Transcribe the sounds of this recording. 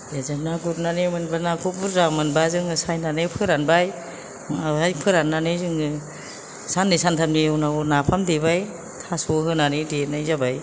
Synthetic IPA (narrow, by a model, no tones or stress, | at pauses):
jazanaɡuɾnanemɯnbanakʰubuɾzamɯnbazɯŋɯsajnanepʰɯɾanbaj | ajpʰɯɾanːanezɯŋɯ | sanːisantʰamniunawnapʰamdibaj | tʰasoɦɯnanidenajzabaj